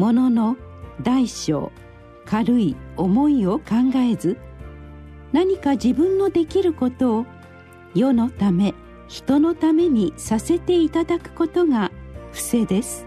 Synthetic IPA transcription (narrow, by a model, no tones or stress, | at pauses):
mo̞no̞no̞d̪aiɕo̞̰ː | kʰaɾɯ̟io̞mo̞io̞kãŋɡae̞zɨ | naɲ̟ikad͡ʑibɯ̟̃nːo̞d̪e̞kʲiɾɯ̟ko̞t̪o̞ː | jo̞no̞t̪ame̞ | çi̥t̪o̞no̞t̪ame̞ɲ̟isase̞t̪e̞it̪ad̪akɯ̟̥ko̞t̪o̞ŋaɸɯ̟̥se̞d̪e̞sɨ̥